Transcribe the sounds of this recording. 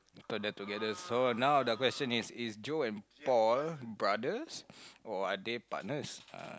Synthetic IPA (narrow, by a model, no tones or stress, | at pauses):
tɔdɛtuɡɛdəsonãwdəkwɛst͡ʃə̃nisisd͡ʒoɛ̃npɔlbɹadəsɔadepa̰ʔ̚nəsa̰